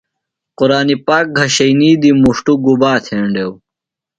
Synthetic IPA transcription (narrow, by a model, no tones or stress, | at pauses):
quɾaːnipaːk̚ɡʱɐɕɐjniːd̪imuʂʈuɡubaːt̪ʰeːɳɖew